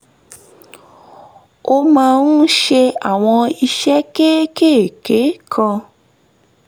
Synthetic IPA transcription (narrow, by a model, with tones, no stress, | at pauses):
o˧mãː˧nu˦ʃe˧a˨w̃ɔ̃˧i˧ʃɛ˦ke˦keː˦˨ke˨˦kʰɔ̃˧